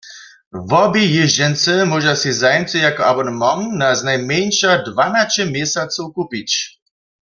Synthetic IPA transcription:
vɔbijɪʒd͡ʑɛnt͡s̪ɛmɔʒasizajmt͡s̪ɛjakɔabɔnmaŋnaznajmjɛɲʃadvanat͡ʃɛmjɛsat͡s̪owkupit͡ɕ

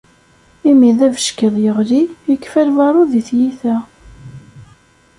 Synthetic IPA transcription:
imiðævəʃkəðˤjəʁlijəkːfæɾvɑɾˤʊðiθjiθæ

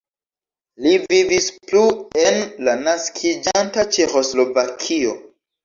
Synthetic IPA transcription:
livivisplue̞nlanaskʰid͡ʒantat͡ʃe̞xo̞slo̞vakʰio̞

